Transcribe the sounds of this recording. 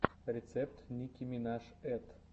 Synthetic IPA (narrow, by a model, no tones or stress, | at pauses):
rʲet̪sɛp̚t̪nʲikʲimʲinɑʃ | ɛt̪